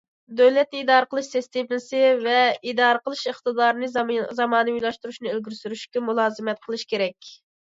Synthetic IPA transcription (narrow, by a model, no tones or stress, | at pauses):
d̪øwlɛt̪̚nɨid̪ɑːɾəqʰəlˠɨʃsɛst̪epnɪsɪvɛid̪ɑːɾəqəlˠɨʃəχt̪ɨd̪ɑːɾnɨzɑmɑːnɨujlˠɑʃt̪uɾuʃnɨelɡʲyɾsyɾyʃkʲɛmulˠɑːzɨmɛt̪̚qʰəlˠɨʃkʲʰeɾɛkʲ